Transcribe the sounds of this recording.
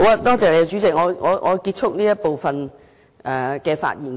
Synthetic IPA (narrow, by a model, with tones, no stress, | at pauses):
waː˨˧t̪ɔː˥t͡sɛː˨˩le˧jɐ˧t͡ʃy˨˥t͡sɪ˨k̚ŋɔː˨˧ŋɔː˨˧ŋʔɔː˨˧kiː˧t̚t͡ʃʰʊ˥k̚niː˥jɐ˥t̚po˨wfɐ˨n | ʔɛ˨kɛː˧fa̰ː˧t̚jiː˨˩n